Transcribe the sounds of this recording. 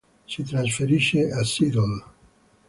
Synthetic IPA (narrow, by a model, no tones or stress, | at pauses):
sit̪ɾans̬feɾiʃeasid̪on